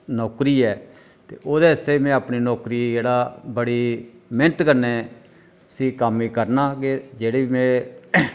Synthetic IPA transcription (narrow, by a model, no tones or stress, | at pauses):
nɔːkɾiːɛː | t̪ḛːʔoːd̪eːəseːmɛ̃ːapniːnɔːkɾiːd͡ʒeːɽaːbəɽiːmɪnət̪kəɾneː | sĩːkəmːiːkəɾnaːkɪd͡ʒeːɽeːimɛ̃ː